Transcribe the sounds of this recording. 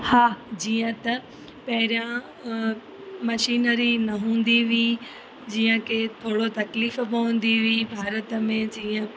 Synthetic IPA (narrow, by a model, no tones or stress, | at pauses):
haːd͡ʑiːə̃t̪ɐ | pɐɦɪɾijã | mɐʃiːnəɾinɐɦũːn̆d̪iʋi | d͡ʑiːə̃kʰet̪ʰoːɽot̪ɐkliːfbɐũn̆d̪iʋibʱaːɾət̪əmẽd͡ʑiːə̃